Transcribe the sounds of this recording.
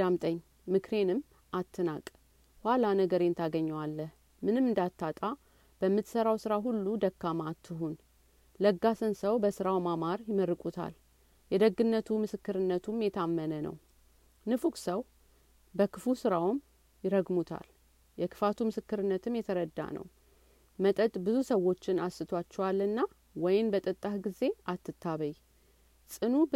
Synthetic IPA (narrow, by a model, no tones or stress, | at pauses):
amt̪ʼəɲː | mɨkʰɾe̞nɨm | ʔat̪ʰːɨnakʼ | hʷwalanəɡəɾent̪ʰaɡəɲːwalːəh | mɨnɨmːɨnd̪at̪ːat̪ʼa | b̥əmːɨt̪səɾawsɨɾaɦulːud̪əkːamat̪ʰːɨɦun | ləɡːasɨnsəwbəsɨɾawmamaɾjɪməɾːɨkʼut̪ʰa̰l | jɛd̪əɡɨnːət̪ʰumɨsɨkːɨɾɨnːət̪ʰumjɛt̪ʰamːənənə̰w | nɨfukʼsəw | bəkʰɨfusɨɾawm | jɪɾəɡmut̪ʰa̰l | jɛkʰɨ̥fat̪ʰumɨsɨkːɨɾɨnːət̪ʰɨmjɛt̪ʰəɾəd̪ːa̰nə̰w | mət̪ʼət̪ʼbɨzusəwːo̞t͡ʃːɪnasːɨt̪ʰwat͡ʃːɛwalːɨnːa | wɔjɪnbət̪ʼət̪ʼːahɡize̞ʔat̪ːɨt̪ʰːaβəj | sʼɨnu